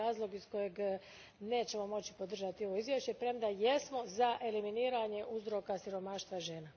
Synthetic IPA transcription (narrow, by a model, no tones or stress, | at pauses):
aːzlˠo̞ɡisko̞je̞ɡ | ne̞ːt͡ɕe̞mo̞mo̞t͡ɕi̥po̞d̪r̩ʒat̪io̞ʋo̞izʋjeʃt͡ɕe̞pɾe̞md̪aje̞smo̞zaʔe̞liminiːɾaɲe̞ʔuzɾo̞kasiɾo̞maːʃt̪ʋaʒe̞ːna